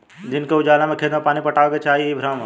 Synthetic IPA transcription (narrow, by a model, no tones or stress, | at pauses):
d͡ʒɪnkeʊd͡ʒaːlamẽkʰeːd̪mepaːnipɐʈaːʋket͡ʃʰaːɦiibʱɾaːma